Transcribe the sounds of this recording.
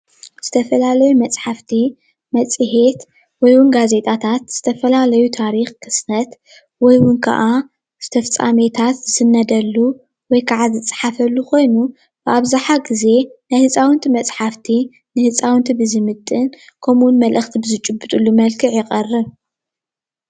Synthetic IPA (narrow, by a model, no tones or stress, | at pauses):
z̥ɨt̪ʰɐfɐlalɐjumɐt͡sʼħaft̪ʰi | mɐt͡sʼɨɦe̞t̪ | wɔjwʊnɡaze̞t̪ʼʰat̪ʰat̪z̥ɨt̪ʰɐfɐlalɐjut̪ʰaɾixkʰɨsnɐt̪ | wɔjwʊnkʰa̰ʔa | z̥ɨt̪ʰɐft͡sʼa̰met̪ʰat̪zɨsɨnːɐd̪ɐlːu | wɔjkʰaʕazɨt͡sʼħafɐlːukʰo̞jnu | b̥ɨʔaβzaħaɡize̞najhɨt͡sʼawʊnt̪ʰimɐt͡sʼħaft̪ʰi | nɨhɨt͡sʼawɨnt̪ʰibɨzɨmɨt̪ʼːɨn | kʰomʊnmɐlʔɨxt̪ʰibɨzɨt͡ʃʼɨbːɨt̪ʼulːumɐlkʰɨʕjɪχʼɐrːɨβ